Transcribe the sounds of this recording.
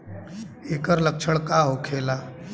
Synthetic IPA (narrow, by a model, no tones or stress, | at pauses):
eːkəɾlək̚t͡ʃʰəɽkaɦokʰeːlaː